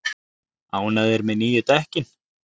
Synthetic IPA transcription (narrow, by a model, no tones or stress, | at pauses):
aunaðɛɾmɛniːjʏt̪ɛhcɪn